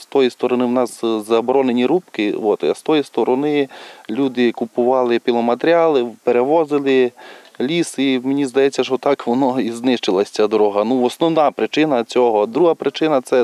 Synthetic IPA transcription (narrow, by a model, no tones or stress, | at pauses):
st̪ɔjist̪ɔɾɔnɪwnɑszɐbɔɾɔnenʲiɾupkɪɔt̪ɐ̰st̪ɔjist̪ɔɾɔnɪlʲud̪ɪkʊpʊʋɑlˠɪpʲilˠɔmɐt̪eɾʲɑlˠɪpeɾeʋɔzɪlˠɪlʲisiwmenʲizd̪ɐjɛt͡sʲːɐʃɔt̪ɑkʋɔnɔiznɪʃt͡ʃɪlˠɐsʲt͡sʲad̪ɔɾɔɦɐnuɔsnɔwnɑpɾɪt͡ʃɪnɐt͡sʲɔɦɔd̪ɾuɦɐpɾɪt͡ʃɪnɐt̪sɛ